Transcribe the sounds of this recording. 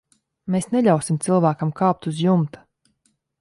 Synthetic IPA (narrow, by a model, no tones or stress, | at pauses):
meːsneʎʲawsimt̪silˠvæːkamkɑːp̚t̪uzjumt̪ḁ